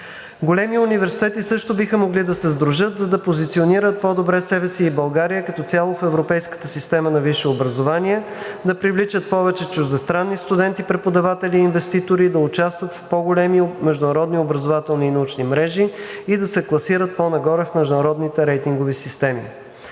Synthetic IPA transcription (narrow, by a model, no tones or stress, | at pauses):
ɡolɛmiʊnivɛɾsi̥t̪ɛt̪isɤʃt̪ʊbixəmoɡlid̪ɐsɛzd̪ɾuʒɤt̪zɐd̪ɐpozit̪sioniɾət̪̚pod̪obɾɛsɛbɛsiːbɐlˠɡaɾijəkɐt̪ɔt̪sʲalˠofɛvɾopɛjskə̥t̪əsist̪ɛmənɐviʃɛobɾɐzovaniɛd̪ɐpɾivlit͡ʃət̪̚pɔvɛt͡ʃɛt͡ʃuʒd̪ɛst̪ɾanːist̪ud̪ɛnt̪ipɾɛpod̪ɐvat̪ɛliːnvɛst̪it̪oɾid̪ɐʊt͡ʃast̪vət̪fpɔɡolɛmimɛʒd̪ʊnɐɾɔd̪niobɾɐəzovat̪ɛlˠniːnɐut͡ʃnimɾɛʒiid̪ɐsɛklˠɐsiɾət̪̚ponɐɡɔɾɛfmɛʒd̪ʊnɐɾɔd̪nit̪ɛɾɛjt̪iŋɡovisist̪ɛmḭ